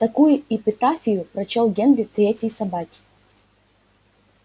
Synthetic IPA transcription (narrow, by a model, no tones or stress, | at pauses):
t̪ɐkujʊɪpʲɪt̪afʲɪjʊpɾɐt͡ɕɔlˠɡʲend̪ɾʲɪt̪ɾʲetʲjəjsɐbakʲɪ̥